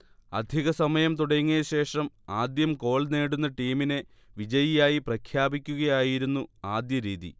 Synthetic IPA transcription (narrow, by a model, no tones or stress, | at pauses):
ɐ̰d̪ʱiɣɐsɐmɐjɐmt̪uɽɐŋːeɕe̞ːʂɐm | aːd̪jɐmko̞ːɭneːɽunːɐʈiːmine̞ | ʋid͡ʑɐjijaːjiprɐkʰjaːbikʲːuɣɐjaːjiɾunːuaːd̪jɐɾiːðḭ